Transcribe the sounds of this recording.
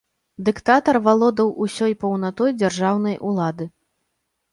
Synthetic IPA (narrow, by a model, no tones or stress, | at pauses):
d̪ɨkt̪at̪ɐrvalˠɔd̪ɐwusʲɔjpɐwnat̪ɔjd͡zʲarʐawn̪ɐjʔulˠad̪ɨ